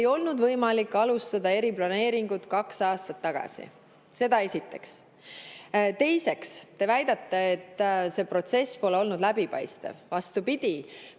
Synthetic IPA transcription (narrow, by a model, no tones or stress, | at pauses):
jo̞lnud̪vɤ̞jmɑlikːˑɑlust̪ɑd̪ɑe̞ɾiplɑne̞ːɾiŋɡ̥ut̪kɑksɑːst̪ɑt̪ːɑɡ̥ɑ̰sḭ | se̞d̪̥ɑe̞sʲit̪ːe̞̰ks | t̪e̞jse̞kst̪e̞væjd̪̥ɑt̪ːeet̪ːˑse̞pro̞t̪se̞spo̞le̞o̞lnud̪læbipɑ̰jst̪ḛvvɑst̪upid̪̥ʲi